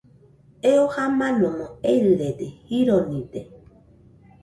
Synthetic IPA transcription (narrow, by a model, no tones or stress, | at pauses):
eohamãnõmõejɾɨɾet̪ehiɾonĩt̪e